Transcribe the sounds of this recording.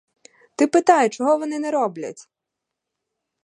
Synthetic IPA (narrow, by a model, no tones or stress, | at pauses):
t̪ɪpɪt̪ɑjʊt͡ʃɔɦɔʋɔnɪnɛɾɔblʲɐ̰tʲ